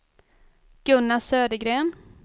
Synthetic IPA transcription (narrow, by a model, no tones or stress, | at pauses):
ɡ̥ɵnːasøːd̪əɡɾeːn